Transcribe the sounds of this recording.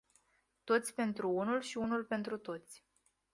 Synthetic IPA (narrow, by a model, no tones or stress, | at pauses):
t̪o̞t̪sʲpe̞nt̪ɾuunulʃiunulpe̞nt̪ɾut̪o̞t̪sʲ